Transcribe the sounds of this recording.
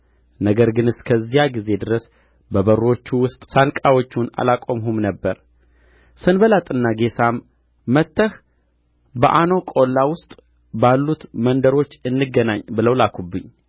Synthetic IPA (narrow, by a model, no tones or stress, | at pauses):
nəɡəɾɡɨnɨskʰəzːijaɡize̞d̪ɨɾəs | bəβəro̞t͡ʃːuwʊst̪ʼsankʼawo̞t͡ʃːuna̰lakʼomɦumnəbːəɾ | sɨnbəlat̪ʼɨnːaɡe̞samː | ət̪ːəh | bəʔano̞kʼo̞lːawʊst̪ʼ | balːut̪mənd̪əɾo̞t͡ʃːɨnːɨɡːənaɲːbɨləwlakʰubːɨɲː